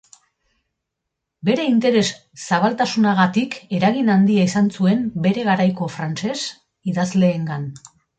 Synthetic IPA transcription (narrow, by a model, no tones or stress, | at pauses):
be̞ɾe̞int̪e̞ɾe̞sː | aβalt̪asunaɣ̞at̪ike̞ɾaɣinand̪iaisansue̞mbe̞ɾe̞ɣaɾajko̞fɾant͡ʃe̞s | iðazle̞ːŋɡan